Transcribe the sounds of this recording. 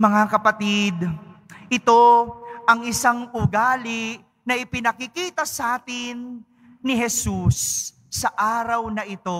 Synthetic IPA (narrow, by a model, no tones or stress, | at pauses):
mɐŋakɐpɐt̪id̪ | ʔɪt̪o̞ʔɐŋɪsaŋʊɡaːlɪ | nɐʔɪpɪnɐkɪkiːt̪ɐsaːt̪ɪnː | ɪɦɛsusː | ɐʔaːɾɐwnɐʔɪt̪o̞